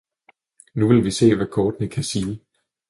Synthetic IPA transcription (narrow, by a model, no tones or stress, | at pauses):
nuʋe̝lʋise̝̰ːʋækʰɒːd̥nəkʰæsiː